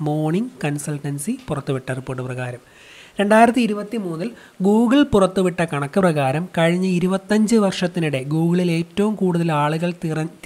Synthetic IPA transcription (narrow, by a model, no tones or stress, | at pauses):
mo̞ːrɳiŋɡkɐnsɐlʈːɐnsipurɐt̪ːuʋiʈːɐripːoːʈːɨprɐɣaːɾɐm | ɾe̞ɳɖaːjiɾɐt̪ːɨiɾubɐt̪ːimuːnːil | ɡuːɡɐɭpurɐt̪ːuʋiʈːɐkɐɳɐkːɨprɐɣaːɾɐmkɐɻiɲːɐiɾubɐt̪ːɐɲd͡ʑɨʋɐrʂɐt̪ːiniɽe̞ɡuːɣɐɭile̞ːtːɐʋumkuːɽuðɐlaːɭuɣɐɭt̪irɐ